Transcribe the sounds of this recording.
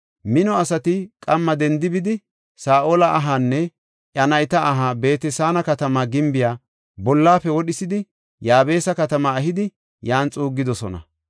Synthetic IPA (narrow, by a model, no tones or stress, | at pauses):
mɪnɔɐsɐt̪ɪkʼɐmːɐd̪ɛnd̪ɪbɪd̪ɪ | saːʔoːlɐʔɐɦanːɛ | ʔɐnɐjt̪ɐːɦabe̞ːt̪ɛsaːnɐkɐt̪ɐmaːɡɪmbɪjaː | bɔlːaːfɛwɔɗɪsɪd̪ɪ | jaːbe̞ːsɐkɐt̪ɐmaɐɦɪd̪ɪ | jaːnt͡sʼuːɡːɪd̪ɔsɔnɐ̰